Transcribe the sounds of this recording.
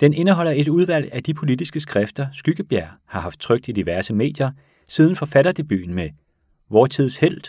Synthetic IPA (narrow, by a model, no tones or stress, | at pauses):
d̥ene̝nəɦɒ̽l̰ɐe̝d̥uð̞ˠʋæl̰æd̥ipʰo̝lid̥isɡ̥əsɡ̥ʁɛfd̥ɐsɡ̥yɡ̥əb̥jæɐ̰hɑ̈hɑ̈fd̥̚t͡sʰʁœɡ̥̚d̥id̥iʋæɐsəme̝̰ːd̥jɐ | sið̞ˠn̩fɒ̽fæɾɐd̥e̝b̥y̰ːn̩me | ʋɒːt͡sʰið̞̰ˠshel̰d̥